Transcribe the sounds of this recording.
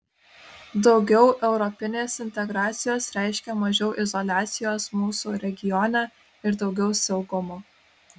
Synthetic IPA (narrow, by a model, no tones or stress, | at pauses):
d̪ɒʊɡʲɛʊʔɛʊɾɔpʲɪnʲeːsɪnʲt̪ʲɛɡɾɑːt̪sʲɪjoːsɾʲæˑɪʃʲkʲɛmɐʒʲɛʊʔɪzɔlʲæːt̪sʲɪjoːsmuːsuɾʲɛɡʲɪjɔnʲɛ | ɪɾd̪ɒʊɡʲɛʊsʲɛʊɡʊmoː